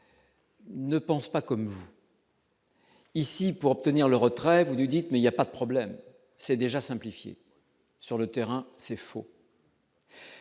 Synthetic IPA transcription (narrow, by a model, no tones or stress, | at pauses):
nəpɑ̃spakɔmvu | isipuʁɔp̚t̪əniʁləʁət̪χɛvunud̪it̪mɛiljapad̪əpχɔblɛm | sɛd̪eʒasɛ̃plifjḛ | syʁlət̪ɛʁɛ̃sɛfo̰